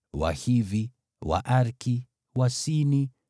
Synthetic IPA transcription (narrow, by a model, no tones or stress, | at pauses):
wa̰hivi | wa̰ʔaɾki | wasini